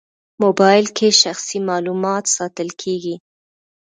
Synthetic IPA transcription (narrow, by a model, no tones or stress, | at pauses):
mobɑjɪlkʰeʃaxsimɑlumɑt̪sɑt̪əlkʰeɡi